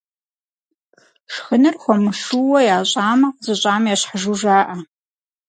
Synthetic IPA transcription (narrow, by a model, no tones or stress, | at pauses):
ʂxənɨrxʷɔmɨʂuwɔjaːɕʼaːmɐqzɨɕʼaːmjaːɕħaʒuʒaːʔɐ